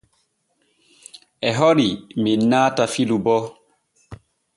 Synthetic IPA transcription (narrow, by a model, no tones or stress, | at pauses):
ʔɛɦɔɾiminːaːtafilubɔ